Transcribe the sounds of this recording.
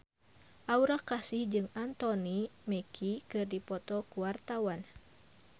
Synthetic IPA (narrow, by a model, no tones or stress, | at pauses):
ʔauɾakasihd͡ʒɨŋant̪ɔnimɛkʰikɨrdipɔt̪ɔkuwart̪awan